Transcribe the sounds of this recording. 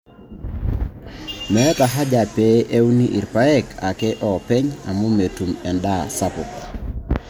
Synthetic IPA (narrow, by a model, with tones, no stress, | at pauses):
mɛ˦ta˨ɦa˦d͡ʒa˨pɛ˨e˦wni˦ʔḭ˨ɾpa˦ɛ˦kʰa˨kɛ˦ʔɔ˨pɛ˦ɲa̰˨mu˦me˨tu˨mɛ˨nda̰˦sa˦pʊ̰˨k